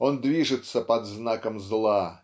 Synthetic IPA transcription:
o̞nd̪vʲiʐɨt̪səpɐd̪znakəmzlˠa

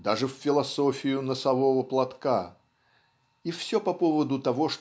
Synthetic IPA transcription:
d̪aʐɨfːʲɪlˠɐsofʲɪjʊnəsɐvovəplˠɐt̪ka | ifsʲopɐpo̞vəd̪ʊt̪ɐvo̞ʂ

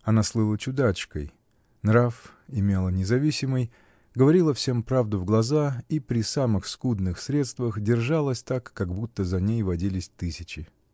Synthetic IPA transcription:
ɐnaslˠɨlˠət͡ɕʊd̪at͡ɕkə̰j | nɾafɪmʲe̞lˠənʲɪzɐvʲisʲɪməj | ɡəvɐɾʲilˠəfsʲe̞mpɾavd̪ʊvɡlˠɐzaipɾʲɪsamɨxskud̪nɨxsɾʲe̞t̪st̪vəxdʲɪrʐalˠəsʲt̪akːaɡbut̪ːəzɐnʲejvɐdʲilʲɪsʲt̪ɨsʲɪt͡ɕɪ

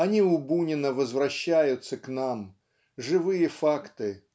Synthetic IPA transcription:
ɐnʲiʊbunʲɪnəvəzvɾɐɕːæjʊt̪səknam | ʐɨvɨjəfakt̪ɨ

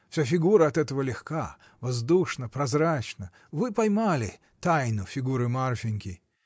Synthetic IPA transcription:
fsʲafʲɪɡuɾəɐt̪ɛt̪əvəlʲɪxka | vɐzd̪uʂnəpɾɐzɾat͡ɕnə | vɨpɐjmalʲɪ | t̪ajnʊfʲɪɡuɾɨmarfʲɪnʲkʲɪ

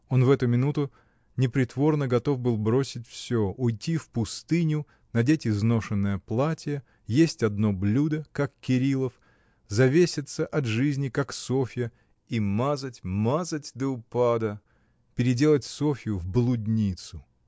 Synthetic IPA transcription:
o̞nvɛt̪ʊmʲɪnut̪ʊ | nʲɪpɾʲɪt̪vo̞rnəɡɐt̪o̞vbɨlˠbɾo̞sʲɪtʲfsʲoʊjtʲifpʊst̪ɨnʲʊ | nɐdʲetʲɪzno̞ʂɨnːəjəplˠatʲijə | jesʲtʲɐd̪no̞blʲud̪əkakkʲːɪɾʲilˠəf | zɐvʲesʲɪt̪səʔɐt̪ʐɨzʲnʲɪkakso̞fʲɪjə | imazətʲmazətʲd̪əʊpad̪ə | pʲɪɾʲɪdʲe̞lˠətʲso̞fʲɪjʊvblˠʊdʲnʲit̪sʊ

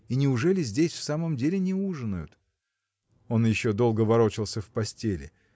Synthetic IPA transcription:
inʲɪʊʐɛlʲɪzʲdʲesʲfsaməmdʲelʲɪnʲɪuʐɨnʊjʊt̪ | o̞njɪɕːo̞d̪o̞lˠɡəvɐɾo̞t͡ɕɪlˠsʲəfpɐsʲtʲelʲɪ̰

